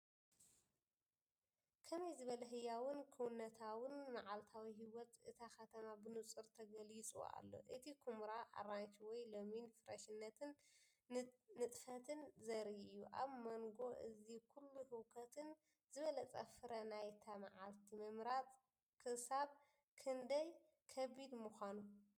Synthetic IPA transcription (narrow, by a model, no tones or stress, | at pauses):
kʰɐmɐjzɨβɐlɐɦɨjːawɨnkʰɨwʊnːɐt̪ʰawɨnmaʕalt̪ʰawiɦiwɔt̪ʔɨt̪ʰaxɐt̪ʰɐmabɨnut͡sʼɨɾt̪ʰɐɡɐlit͡sʼṵa̰lːo̞̰ʔɨt̪ʰikʰumɾaʔa̰ɾant͡ʃʰiwɔjlominfɨɾɐʃɨnːɐt̪ʰɨn | ɨt̪ʼfɐt̪ʰɨnzɐɾiɨjːuʔa̰βmɐŋɡo̞ʔɨ̰zikʰulːuhɨwkʰɐt̪ʰɨn | zɨβɐlɐt͡sʼɐ̰fɨɾɐnajt̪ʰama̰ʕalt̪ʰimɨmɾat̪ʼ | kʰɨsaβ | kʰɨnd̪ɐj | kʰɐβid̪muxʷanu